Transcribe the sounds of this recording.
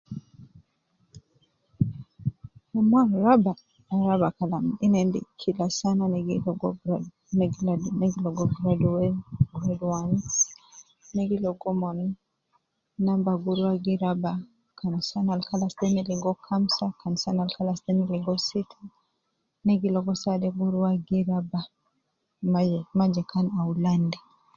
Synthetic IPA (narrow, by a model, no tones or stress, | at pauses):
mɔmwanɾaba | aɾabakalaminɛndḭkʰilasananɛɡilɔɡɔ | nɛɡanɛɡilɔɡɔɡɾaduwɛɡɾaduwani | nɛɡilɔɡɔmɔni | nambaɡuɾwaɡiɾaba | kansanalkalasdɛniliŋɡɔkʰamsakansanalkalasdɛniliŋɡɔsitʰa | nɛɡilɔɡɔsadɛɡuɾwaɡiɾaba | mamad͡ʒɛkʰanawlandɛ